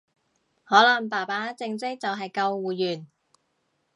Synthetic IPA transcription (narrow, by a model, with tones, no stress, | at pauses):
hɔː˨˥lɐ˨˩ŋpaː˨˩paː˨˥t͡sɪ˧ŋt͡sɪ˥k̚t͡sɐ˨wɦɐ˨jkɐ˧wwuː˨jyː˨˩n